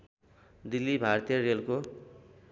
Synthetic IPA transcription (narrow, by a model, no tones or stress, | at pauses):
d̪ilːibʱart̪ijʌrelko